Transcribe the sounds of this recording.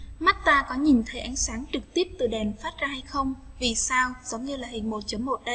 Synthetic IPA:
ma˦˥t̚t̪aː˧kɔ˨˦ɲi˨˩nt̪ʰə˨˦jʔa˨˦jŋ̟saː˨˦ŋt͡ɕɨ˨˩k̚t̪i˦˥əp̚t̪ɨ˨˩ɗɛ˨˩nfaː˦˥t̚zaː˧ha˧jxə˧wŋ͡m | vi˨˩saː˧wz̥ə˨˦wŋ͡mɲɨ˧laː˨˩hi˨˩ŋ̟mo˨˩t̚t͡ɕə˨˦mmo˨˩t̚ɗə˧

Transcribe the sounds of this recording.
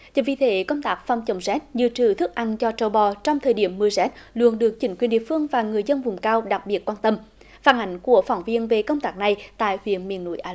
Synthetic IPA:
t͡ɕə˨˧˩vḭ˧˩t̪ʰe˧˩kə˧wŋ͡mt̪aː˦˥k̚fa˧˩wŋ͡mt͡ɕə˧˩wŋ͡mzɛ˦˥t̚ɲɨ̰˧˨t͡ɕɨ˧˨˩t̪ʰɨ˦˥k̚ʔa˧nt͡ɕɔ˧t͡ɕə˧wɓɔ˧˩t͡ɕɔ˧wŋ͡mt̪ʰəː˨˩jɗi˧˩əmːɨ˧əzɛ˦˥t̚lu˧˨ənɗɨ˨˩ək̚t͡ɕï˧˩˦ŋkwənɗḭ˧˨əfɨ˧əŋvaː˨˩ŋɨ˨˩əjzə˧nvʊ˨˩ŋ͡mkaː˧wɗa˨˩k̚ɓi˨˩ət̚kwaː˧nt̪ə˧m | faː˧˩nʔa˨˩˦jŋ̟ku˧˩əfa˧˩wŋ͡mvi˧ənve˨˩kə˧wŋ͡mt̪aː˦˥k̚na˨˩jt̪a̰ː˧˨jhwḭ˧˨ənmḭ˧˨ənːṵ˧˥˦jʔaː˧

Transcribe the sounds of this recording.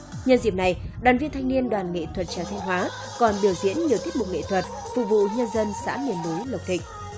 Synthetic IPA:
ɲə˧nzḭ˧˨əmna˨˩jɗwaː˨˩nvi˧ənt̪ʰa˧jŋni˧ənɗwaː˨˩nŋḛ˧˨t̪ʰwə˨˩t̚t͡ɕaː˧˩t̪ʰŋɦwaː˨˦ | kɔ˨˩nɓi˧˩əwzḭ˧˥ənɲi˨ət̪i˦˥ət̚mʊ˨˩k͡p̚ŋḛ˧˨t̪ʰwə˨˩t̚ | fṵ˧˨vṵ˧˨ɲə˧nzə˧nsa̰ː˧˥mi˨˩ənːu˨˦jlə˨˩wk͡p̚t̪ʰï˨˩k̟̚

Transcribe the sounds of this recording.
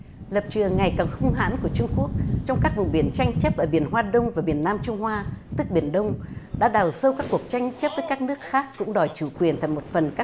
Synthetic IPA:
lə˨˩p̚t͡ɕɨ˨˩əŋːa˨˩jkaː˨˩ŋxʊ˧ŋ͡mɦa̰ː˧˥nku˧˩ət͡ɕʊ˧ŋ͡mku˦˥ək̚t͡ɕɔ˧wŋ͡mkaː˦˥k̚vʊ˨˩ŋ͡mɓi˧˩ənt͡ɕa˧jŋ̟t͡ɕə˦˥p̚ʔəː˧˩ɓi˧˩ənɦwaː˧ɗə˧wŋ͡mvaː˨˩ɓi˧˩ənːaː˧mt͡ɕʊ˧ŋ͡mhwaː˧t̪ɨ˦˥k̚ɓi˧˩ənɗə˧wŋ͡mɗa̰ː˧˥ɗaː˨˩wsə˧wkaː˦˥kːu˨˩ək̚t͡ɕa˧jŋ̟t͡ɕə˦˥p̚vəː˨˦jkaː˦˥k̚nɨ˦˥ək̚xaː˦˥k̚ːʊ̰˧˥ŋ͡mɗɔ˨˩jt͡ɕu˧˩kwi˨˩ənt̪ʰa˨˧˩jmo˨˩t̚fə˨˩nkaː˦˥

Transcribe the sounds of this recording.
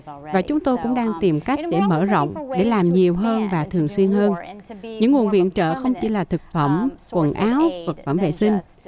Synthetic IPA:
vaː˨˩t͡ɕʊ˨˦ŋ͡mt̪o˧jkʊ̰˧˥ŋ͡mɗaː˧ŋt̪i˨˩mka˦˥jk̟̚ɗe˧˩mə̰ː˧˩zɔ̰˧˨wŋ͡mɗe˧˩laː˨˩mɲi˨˩əwɦəː˧nvaː˨˩t̪ʰɨ˨˩əŋswi˧ənhəː˧nɲɨ̰˧˥ŋːu˨˩ənvḭ˧˨ənt͡ɕə̰ː˧˨xə˧wŋ͡mt͡ɕḭ˧˩laː˨˩t̪ʰɨ˨˩k̚fə˧˩mkwə˨˩nʔaː˨˦wvə˨˩k̚fə˧˩mvḛ˧˨sï˧ŋ̟

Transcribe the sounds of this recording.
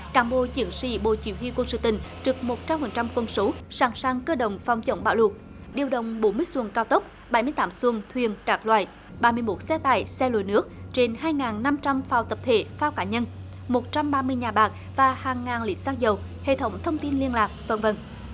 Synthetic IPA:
kaː˧˩˦nɓo̰˧˨t͡ɕɨ̰˧˩˦əŋsḭ˧˩ɓo̰˧˨t͡ɕḭ˧˩˦whwi˧kwə˧nsɨ̰˧˨˩t̪ï˧˨˩ŋ̟t͡ɕɨ˨˩˥k̚mo˨˩t̚t͡ɕa˧mhə˨˩nt͡ɕa˧mkə˧nso˨˦saː˧˩ŋsaː˧ŋkəː˧ɗə̰˧˨wŋ͡mfa˨˩wŋ͡mt͡ɕə̰˧˦wŋ͡mɓa̰ː˧˩wlu˨˩k̚ | ɗi˨˩əwɗə˧˨wŋ͡mɓo˨˦nmɨ˧əjswə˧ŋkaː˧wt̪ə˦˥k͡p̚ | ɓa˧˩jmɨ˧əjt̪aː˨˦mswə˧ŋt̪ʰwi˨˩ənkaː˨˩k̚lwaː˧˨j | ɓaː˧mɨ˧əjmo˦˥t̚sɛ˧t̪a̰ː˧˨jsɛ˧lo̰˧˨jnɨ˦˥ək̚t͡ɕe˧nhaː˧jŋaː˨˩nːa˧mt͡ɕa˧mfaː˧˩wt̪ə˨˩p̚t̪ʰḛ˧˩faː˧wkaː˧˩˥ɲə˧n | mo˨˩t̚t͡ɕa˧mɓaː˧mɨ˧əjɲaː˨˩ɓaː˨˩k̚ | vaː˨˩haː˨˩ŋːaː˨˩nli˨˦˥t̚saː˧k̚zə˨˩w | hḛ˧˨t̪ʰə˨˦wŋ͡mt̪ʰə˧wŋ͡mt̪i˧nli˧ənlaː˨˩k̚və̰˧˩nvə̰˨˩n

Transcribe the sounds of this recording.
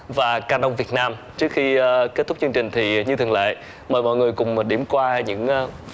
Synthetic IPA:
vaː˨˩kaː˧nə˧wŋ͡mvi˨˩ət̚naː˧m | t͡ɕɨ˦˥ək̚xi˧ke˦˥t̪ʊ˦˥k͡p̚t͡ɕɨ˧ŋt͡ɕï˨˩ŋ̟t̪ʰi˨˩ɲɨ˧ɨ˨˩əla̰ː˧˨j | məː˨˩jmɔ̰˧˨jŋɨ˨˩əjkʊ˨˩ŋ͡mɗi˧˩əmkwaː˧ɲɨ̰˧˥ŋː˧

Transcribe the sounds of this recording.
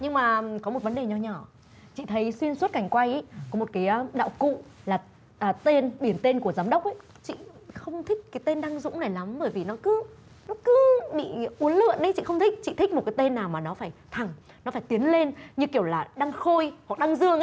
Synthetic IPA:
ɲɨ˧ŋmaː˨˩kɔ˨˦m˨˩t̚və˨˦nɗe˨˩ɲɔ˧˩ɲɔ˧˩ | t͡ɕḭ˧˨t̪ʰə˨˦jswi˧ənswu˦˥t̚ka˨˩jŋ̟kwa˧jʔə˨˦jkɔ˨˦mo˨˩t̚kaː˨˦jɗa̰ː˧˨wkṵ˧˨laː˨˩ | ʔəː˨˩t̪e˧nɓi˧˩ənt̪e˧nku˧˩əzaː˨˦mɗə˦˥wk͡p̚ʔə˨˦j | t͡ɕḭ˧˨xə˧wŋ͡mt̪ʰï˦˥k̟̚kaː˨˦jt̪e˧nɗa˧ŋzʊ̰˧˥ŋ͡mna˨˩jla˨˦mɓəː˧˩jvi˨˩nɔ˨˦kɨ˨˦ | nɔ˨˦kɨ˨˦ɓḭ˧˨ʔu˨˦ənlɨ̰˧˨ənʔə˨˦t͡ɕḭ˧˨xə˧wŋ͡mt̪ʰï˦˥k̟̚t͡ɕḭ˧˨t̪i˦˥k̚mo˨˩kaː˨˦t̪e˧nːaː˨˩wmaː˨˩nɔ˨˦faː˧˩jt̪ʰa˨˩ŋ | nɔ˨˦faː˧˩jt̪i˨˦ənle˧nɲɨ˧ki˧˩əwlaː˨˩ɗa˧ŋxo˧jha˨˩k̚ɗa˧ŋzɨ˧əŋʔ

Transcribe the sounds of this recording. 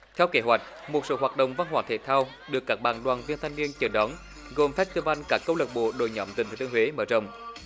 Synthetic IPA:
t̪ʰɛ˧wke˨˦ɦwa˨˩jk̟̚ | mo˨˩t̚so̰˧˦ɦwaː˨˩t̚ɗə̰˧˨wŋ͡mva˧nɦwaː˧˨˩t̪ʰḛ˧˨˩t̪ʰaː˧w | ɗɨ˨˩əkːaː˦˥k̚ɓaː˨˩nɗwaː˨˩nvi˧ənt̪ʰa˧ŋni˧ənt͡ɕəː˧˩ɗɔ˨˦n | ɣo˨˩mfɛ˦˥t̪ɨ˧va˧jŋ̟kaː˦˥kːə˧wlə˨˩k̚ɓo̰˧˨ɗo̰˧˩jɲɔ̰˨˩˥mt̪ï˨˩ŋʰː˨˩t̪ːhwe˨˦məː˧˩zə̰˧˨wŋ͡m

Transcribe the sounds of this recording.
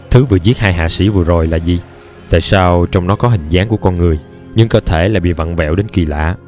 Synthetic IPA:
t̪ʰɨ˨˦vɨ̰˧˨əzi˦˥t̚haː˧jɦa̰ː˧˨sḭ˧˩vɨ˨˩əzo˨˩jlaː˨˩zi˨˩ | t̪a̰ː˧˨jsaː˧wt͡ɕɔ˧wŋ͡mnɔ˨˦kɔ˨˦ɦï˨˩ŋ̟zaː˨˦ŋku˧˩əkɔ˧nŋɨ˨˩əj | ɲɨ˧ŋkəː˧t̪ʰe˧˩laː˧˨jɓḭ˧˨və̰˧˨nvɛ̰˧˨wɗe˨˦nki˨˩la̰ː˧˨

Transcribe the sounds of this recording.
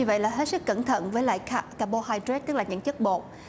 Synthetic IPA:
ɨ˧və̰˧˨jlaː˨˩ɦe˦˥t̚sɨ˦˥kːə˧˩nt̪ʰə̰˧˨nvəː˨˦jla̰ː˧˨jkʰa˧kaː˧ɓo˧haː˧jtɾe˦˥t̪ɨ˦˥k̚laː˨˩ɲɨ̰˧˥ŋt͡ɕə˦˥k̚ɓo̰˧˨

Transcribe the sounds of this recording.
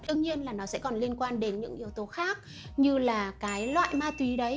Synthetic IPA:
ɗɨ˧əŋ̚ɲi˧ənlaː˨˩nɔ˨˦sɛ̰˧˥kɔ˨˩nli˧ənkwaː˧nɗe˨˦nɲɨ̰˧˥ŋʔi˨˦əwt̪o˨˦xaː˦˥k̚ | ɲɨ˧laː˨˩kaː˨˦jlwa̰ː˧˨jmaː˧t̪wi˨˦ɗə˨˦j

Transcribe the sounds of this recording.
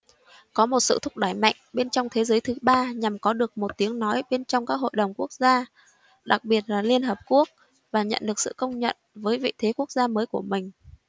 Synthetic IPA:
kɔ˨˦mo˨˩t̚sɨ̰˧˨t̪ʰʊ˦˥k͡p̚ɗaː˧˩jma̰˧˨jŋ̟ɓe˧nt͡ɕɔ˧wŋ͡mt̪ʰe˨˦zəː˨˦jt̪ʰɨ˨˦ɓaː˧ɲa˨˩mkɔ˨˦ɗɨ˨˩ək̚mo˨˩t̚t̪i˨˦əŋnɔ˨˦jɓe˧nt͡ɕɔ˧wŋ͡mkaː˦˥k̚ho̰˧˨jɗə˨˩wŋ͡mku˦˥ək̚zaː˧ | ɗa˨˩k̚ɓi˨˩ət̚laː˨˩li˧ənhɦəː˨˩p̚ku˦˥ək̚ | vaː˨˩ɲə̰˧˨nɗɨ˨˩ək̚sɨ̰˧˨kə˧wŋ͡mɲə̰˧˨nvəː˨˦jvḭ˧˨t̪ʰe˨˦ku˦˥ək̚zaː˧məː˨˦jku˧˩əmï˨˩ŋ̟

